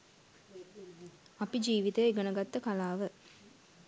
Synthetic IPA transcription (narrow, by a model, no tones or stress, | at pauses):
ɐpid͡ʒiːʋit̪ejeɡənəɡat̪ːəkalaːʋə